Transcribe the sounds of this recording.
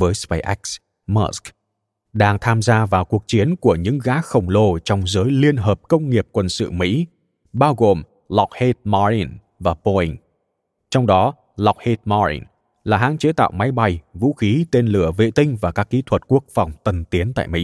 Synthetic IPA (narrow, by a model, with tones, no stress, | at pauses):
vəː˨˦jspe˧jʔɛ˦˥jk̚s | məː˧˥sk | ɗaː˧ŋt̪ʰaː˧mzaː˧vaː˨˩wku˨˩ək̚t͡ɕi˨˦ənku˧˩əɲɨ̰˧˥ŋɣaː˨˦xə˨˩wŋ͡mlo˧t͡ɕɔ˧wŋ͡mzəː˨˦jli˧ənɦəː˨˩p̚kə˧wŋ͡mŋi˨˩əp̚kwə˧nsɨ̰˧˨mḭ˧˥ | ɓaː˧wɣo˨˩m | lɔ˨˩wk͡p̚he˧˥t̚ma˧li˧n | vaː˨˩po˧i˧ŋ̟ | t͡ɕɔ˧wŋ͡mɗɔ˨˦ | la˨˩wk͡p̚he˧˥t̚mɔ˧lḭ˧n | laː˨˩ɦa̰ː˨˥ŋt͡ɕe˨˦t̪a̰ː˧˨wma˨˦jɓa˧˩jvṵ˧˥xi˨˦t̪e˧nlɨ˧˩əvḛ˧˨t̪ï˧ŋ̟vaː˨˩kaː˦˥k̚ːi˨˦t̪ʰwə˨˩t̚ku˦˥ək̚fɔ˨˩wŋ͡mt̪ə˨˩nt̪i˨˦ənt̪a̰ː˧˨jmḭ˧˥